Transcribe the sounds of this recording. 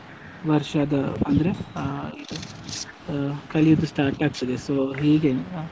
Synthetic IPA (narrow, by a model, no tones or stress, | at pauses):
ʋɐɾʂɐd̪ɐɐnd̪ɐɾeid̪u | kɐlijɐd̪usʈaːɾʈaːɡ̚t̪ɐd̪esoːɦiːɡe